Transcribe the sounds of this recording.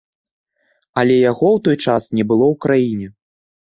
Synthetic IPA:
alʲɛjaɣɔwt̪ɔjt͡ʂasnʲɛbɨlˠɔwkɾajinʲɛ

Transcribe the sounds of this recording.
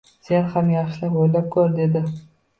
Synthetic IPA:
se̞nhamjɑχʃɪlɪpojlap̚kʲʰɵɾd̪e̞d̪ɪ

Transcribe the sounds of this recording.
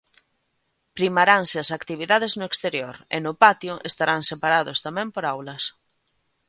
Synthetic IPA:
pɾimaɾaŋsɪasakt̪iβ̞iðaðeznʊekst̪eɾjoɾḛnʊpat̪jʊʔest̪aɾaŋsepaɾaðost̪amɛ̃mpoɾawlɐs

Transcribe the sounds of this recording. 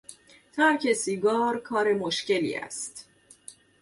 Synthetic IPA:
t̪ʰæɾcʰe̞siːɡɒːɾkʰɒːɾe̞moʃce̞lḭːæ̰st̪

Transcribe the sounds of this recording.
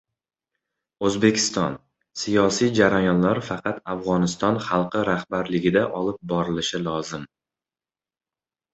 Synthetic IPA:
ɵzbe̞kʲʰɪ̥st̪ɒn | sijɒsijd͡ʒaɾajɒnlaɾfɑqʰɑt̪ʰafʁɒnɪst̪ɒnχɑlˠqʰɨɾahbaɾlɪɡʲɪd̪aʔɒlˠɪp̚bɒɾɪlɪʃɪlˠɒzɪm

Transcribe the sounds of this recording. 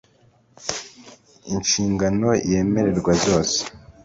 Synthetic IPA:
inʃiːŋɡano̞je̞ːme̞ɾe̞ɾɡwazzjo̞ːse̥

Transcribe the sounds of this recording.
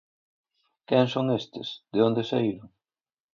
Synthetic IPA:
kɛŋsoŋest̪ɪ̰sðeond̪esaiɾʊŋ

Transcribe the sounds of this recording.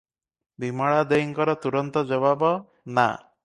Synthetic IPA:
bimɔɭad̪ejɔŋkɔɾɔt̪uɾɔnt̪ɔd͡ʒɔβabɔ | na̰

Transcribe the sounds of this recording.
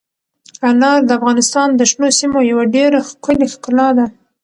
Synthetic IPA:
anɑɾd̪əafɣɑnɪst̪ɑnd̪əʃnosimojawaɖeɾaxkəlexqɪlɑd̪a

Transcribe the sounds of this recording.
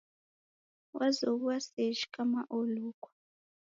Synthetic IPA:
wʔazoβuwaseʃi̥kʼamaʔoluːkʼwḁ

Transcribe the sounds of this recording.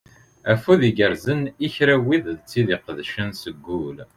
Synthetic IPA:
æfuðiɡəɾzəniçɾæwiððt͡sːiðiqəðʃənsəɡːul

